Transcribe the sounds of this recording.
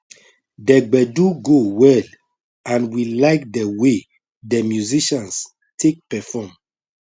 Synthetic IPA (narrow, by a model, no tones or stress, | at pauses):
dɛɡ͡bɛduɡowɛl | ãnwilaɪkdɛwe | dɛmjuziʃãns | tʰek̚pɛfɔm